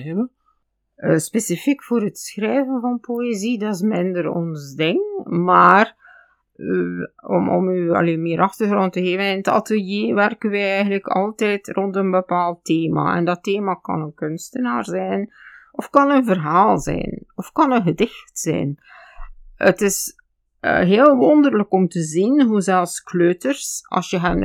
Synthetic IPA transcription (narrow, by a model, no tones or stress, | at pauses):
və | əspesifikfoːɾətsxrɛːvənvɑnpʰoezidɑɪs̬mɪndəɾɔ̰nzdɪŋkmaːr | ɔ̰mɔ̰myɑ̰leːmɪːɾʔɑxtərɣrɔntəɦeːvənɪnətɑ̰təlˠjeːʋɛrkənʋɛjɛjɣəntləkʰɑ̰lˠtɛːtrɔntənbəpaːlˠtːeːma̰ɛ̰ndɑteːmakɑ̰nənkʏnstənaːrzɛnʔɔfkɑnənvərɦaːlˠzɛ̰ːnɔfkɑnənɣədɪxtsɛ̰ːn | ətɪs | ɦeːlˠʋɔnd̪ərləkɔmtəzinɦuzɛlˠfskløːtərsɑ̰sjəɦən